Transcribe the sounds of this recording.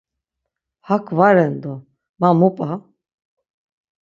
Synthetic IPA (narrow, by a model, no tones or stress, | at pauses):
hakʰvaɾɛnd̪ɔ | mamupʼa